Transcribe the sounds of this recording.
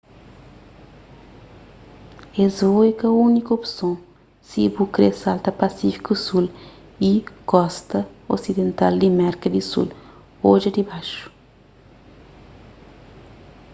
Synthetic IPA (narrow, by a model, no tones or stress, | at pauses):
ezojkɐunikopsõ | sibukɾesalt̪ɐpasifi̥kusul | ikɔst̪ɐo̰sid̪ẽnt̪ald̪imɛɾkɐd̪isṵl | oʒɐd̪ibaʃu̥